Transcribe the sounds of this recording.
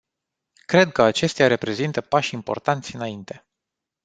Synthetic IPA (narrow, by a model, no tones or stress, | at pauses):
kɾe̞d̪̚kəat͡ʃe̞st̪eaɾe̞pɾe̞zint̪əpaʃʲimpo̞rt̪ant̪sʲɨnaint̪e̞